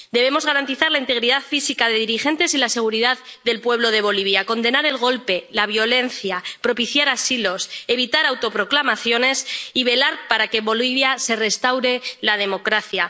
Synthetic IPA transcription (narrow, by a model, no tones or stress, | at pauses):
d̪e̞βe̞mo̞zɣaɾant̪iθaɾlaint̪e̞ɣɾiðaðfisikaðe̞ðiɾixe̞nt̪e̞silase̞ɣ̞uɾiðaððe̞lpwe̞β̞lo̞ð̞e̞β̞o̞liβjako̞nd̪enaɾe̞lɣ̞o̞lpe̞laβjo̞le̞nθjapɾo̞piθjaɾasilo̞se̞β̞it̪aɾawt̪o̞pɾo̞klamaθjo̞ne̞siβe̞laɾpaɾake̞βo̞liβjase̞re̞st̪awɾe̞lað̞e̞mo̞kɾaθja